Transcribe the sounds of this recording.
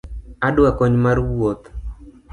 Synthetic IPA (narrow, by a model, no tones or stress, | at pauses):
adwakɔɲmarwwot̪